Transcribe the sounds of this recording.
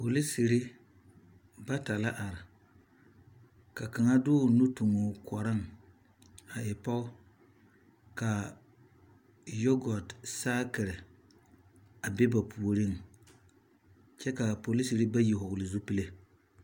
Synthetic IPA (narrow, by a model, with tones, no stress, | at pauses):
po˨li˦si˨ɾɪ˦ | ba˦ta˨la˦ʔa˨ɾɪ˨ | ka˨ka˨ŋa˦dʊː˦˨nu˦tu˨ŋo˨kʰɔ˨ɾɪ˦ŋ | a˨ɪ˨pa˦ | ka˨ | jo˦ɡɔ˨tsaː˦kɪ˨ɾɪ˨ | a˨bɪ˦ba˨pʰu˨o˨ɾi˦˨ŋ | t͡ʃɛ˦ka˨po˨li˦si˨ɾɪ˦ba˦ji˨ɦʊ˨ɡʊ˨lɪ˨zu˦pi˦le˦